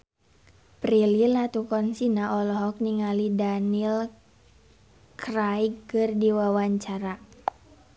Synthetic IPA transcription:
pɾililat̪ukɔnsinaʔɔlɔɦɔk̚niŋalidanil | krajkkːɨrdiwawaɲt͡ʃaɾa

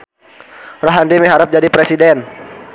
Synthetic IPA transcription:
roɦandimiɦaɾʊp̚d͡ʒadipɾɛsidɛn

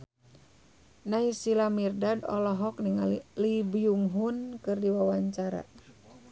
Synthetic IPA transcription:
naisilamirdadɔ̰lɔɦɔk̚niŋalibiuŋɦunkɨrdiwawaɲt͡ʃaɾa̰

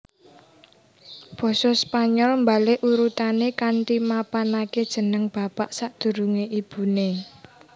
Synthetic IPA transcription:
b̥ɔ̤sɔspaɲɔlmbaleʔuɾut̪anekanʈimapanaked̥ʒ̥ə̤nəŋb̥a̤paʔsaʔd̪̥ṳɾuŋeʔib̥ṳne

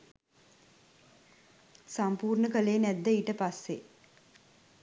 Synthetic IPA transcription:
sampuːrɳəkəleːnæd̪ːəiːʈəpasːe

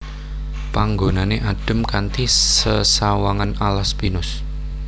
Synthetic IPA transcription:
paŋɡonaneʔaɖ̥ə̤mkant̪isəsawaŋanalaspinʊs

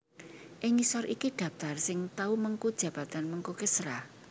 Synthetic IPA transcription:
ʔɪŋisɔɾʔikiɖ̪̥ä̤p̚t̪arsɪŋt̪auməŋkud̥ʒ̥ä̤b̥ä̤t̪anməŋkukəsɾa

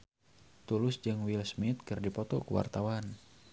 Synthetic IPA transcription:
t̪ulʊsd͡ʒɨŋwilsmit̪̚kɨrdipɔt̪ɔkuwa̰rt̪awan

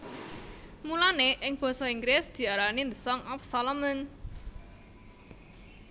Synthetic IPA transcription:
mulaneʔɪŋb̥ɔ̤sɔiŋɡɾɪsd̪̥i̤aɾanind̪əsɔŋɔfsalɔmən

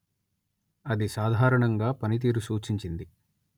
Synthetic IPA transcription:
ɐd̪isaːd̪ʱaːɾɐɳɐŋɡaːpɐnit̪̬iːɾusuːt͡ʃiɲt͡ʃind̪i

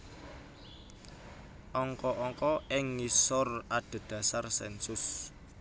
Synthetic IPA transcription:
ʔɔŋkɔʔɔŋkɔɪŋːisɔraɖ̥ə̤d̪̥ä̤sarsɛnsʊs

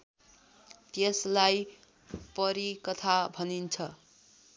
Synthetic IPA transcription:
t̪eslaj | pʌɾikʌt̪ʰabʱʌnint͡sʰʌ

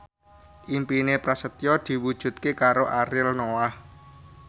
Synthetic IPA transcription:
ʔimpinepɾasət̪jɔd̪̥i̤wud̥ʒ̥ṳt̪̚kekaɾoʔaɾɪlnowah

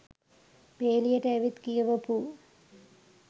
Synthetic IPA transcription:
peːlijɐʈeʋit̪kijɐʋɐpu

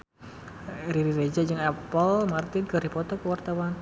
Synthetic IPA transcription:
ɾiɾiɾed͡ʒad͡ʒɨŋɛpəlmart̪ɪnkəɾipɔt̪ɔkəwart̪awan

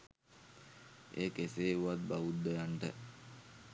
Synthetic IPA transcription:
eːkeseːuʋat̪̚baʋud̪ːəjaɳʈə

